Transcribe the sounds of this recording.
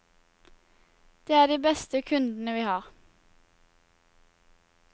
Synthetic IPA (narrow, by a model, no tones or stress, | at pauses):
d̪̥eːæːd̪iːbɛst̪əkʰʉnd̪n̩əʋiːhɑːʁ